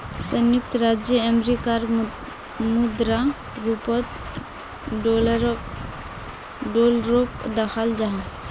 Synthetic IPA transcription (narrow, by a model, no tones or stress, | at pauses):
sənjuk̚t̪ʰɾad͡ʒjəəmɾikaɾ | mud̪ɾa | ɾupɔt̪ | ɖolɾk | ɖolɾokd̪axʰald͡ʒaɦã